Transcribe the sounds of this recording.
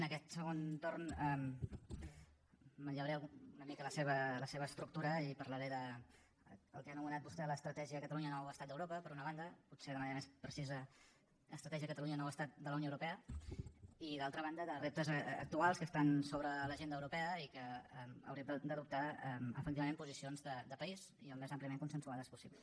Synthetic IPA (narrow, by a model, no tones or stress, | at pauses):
nəkɛt̪səɣ̞ont̪ornɛm | məɲʎəwɾeunəmikələseβələseβəːst̪ɾuk̚t̪uɾəipəɾləɾeðə | əlˠkanumənat̪̚bust̪ɛləst̪ɾət̪ɛʒiəkət̪əluɲənɔwəst̪at̪d̪əwɾopəpəɾunəβ̞and̪əput̪seðəməneɾəmespɾəsizə | əst̪ɾət̪ɛʒiəkət̪əluɲənɔwəst̪at̪̚d̪ələwnoəwɾupɛə | iðalˠt̪ɾəβand̪əðərep̚t̪əzə̰k̚t̪ualˠskəst̪ansoβɾələʒend̪əwɾupɛəikəmə̰wɾiəmd̪əd̪əðup̚t̪aɛmə̰fək̚t̪iβəmempuzisionzðəd̪əpəiziəlmezəmpliəmeŋkunsənsuaðəspusiβlə